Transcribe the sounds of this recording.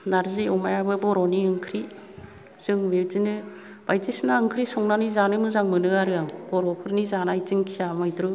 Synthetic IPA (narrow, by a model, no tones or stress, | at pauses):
naɾzɯjɔmajabɯbɔɾɔniɯŋkʰɾi | z̥ɯŋbetinɯ | b̥ajtisnaɯŋkʰɾisɔŋnanizanɯmɯzaŋmɯnɯaɾɯaŋb̥ɔɾɔpʰɯɾnizanajzɯŋkʰijamajdɾɯ